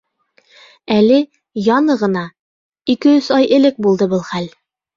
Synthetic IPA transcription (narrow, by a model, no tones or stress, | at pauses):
ælɘ | jɑnɤʁɤ̆nɑ | ikɘɵsɑjʔɘ̆lɘk̚bulˠd̪ɤbɤlˠχæl